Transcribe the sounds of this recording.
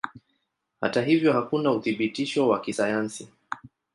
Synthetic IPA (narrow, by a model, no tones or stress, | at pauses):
ha̰taɦivjɔhakunauθiɓitiʃɔwakisajansi